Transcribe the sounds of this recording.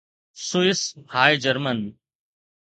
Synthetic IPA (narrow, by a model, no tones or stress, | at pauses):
suɪshaːjd͡ʒəɾmən